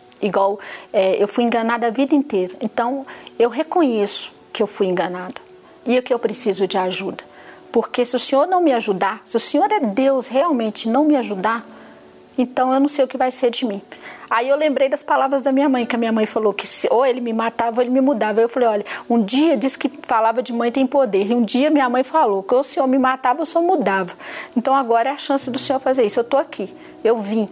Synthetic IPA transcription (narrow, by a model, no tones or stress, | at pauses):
iɡwawɛewfujẽɡɐnad̪ʊavid̪ɐĩnt̪ejɾɐẽt̪ɐ̃w̃ewɦekõɲesʊ̥ | kɪewfujẽŋɡɐnad̪ʊ | iʊkɪewpɾesizʊd͡ʒɪaʒud̪ɐ̥ | poɾkesɪʊsẽɲoɾnɐ̃w̃mɪaʒud̪asɪʊsẽɲoɾɛd̪ewsheawmẽt͡ʃɪnɐ̃w̃mɪaʒud̪a | ẽnt̪ɐ̃w̃ewnɐ̃w̃sejʊkɪvajseɾd͡ʒɪmĩaiewlẽmbɾejd̪ɐspalavɾɐzd̪ɐmĩɲɐmɐ̃j̃kɪɐmĩɲɐmɐ̃j̃falokɪsoelɪmɪmat̪avoelɪmɪmud̪avɐaewfalejɔʎɐũd͡ʒiɐd͡ʒiskɪfalavɾɐd͡ʒɪmɐ̃j̃t̪ẽj̃pod̪eɾɪũd͡ʒiɐmĩɲɐmɐ̃j̃falokɪosẽɲoɾmɪmat̪avɐsoɾmud̪avɐẽnt̪ɐ̃w̃aɡɔɾɐɛaʃɐ̃sɪd̪ʊsẽɲoɾfazeɾisʊewt̪oakʰi | ewvĩ